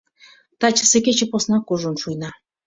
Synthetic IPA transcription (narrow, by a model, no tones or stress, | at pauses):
t̪ɑt͡ɕəsĕkʲet͡ɕĕposnɑkuʒonʃujnɑ